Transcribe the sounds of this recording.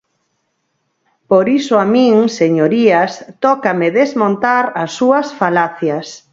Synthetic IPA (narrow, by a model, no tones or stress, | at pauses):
poɾisoamĩŋseɲoɾiast̪ɔkameðezmõnt̪aɾɐsːuɐsfalaθjas